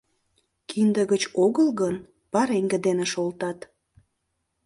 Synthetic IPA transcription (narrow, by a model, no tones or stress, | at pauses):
kʰind̪əɣət͡ɕoɣəlɣən | pɑɾeŋɡə̆d̪eneʃolt̪ɑt̪